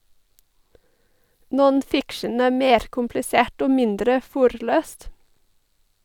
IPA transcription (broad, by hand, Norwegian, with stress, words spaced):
ˌnɔnˈfɪkʃən ˈæː ˈmeːɾ kʊmplɪˈseːʈ ˈoː ˈmɪndɾə ˈfʊɾˌløːst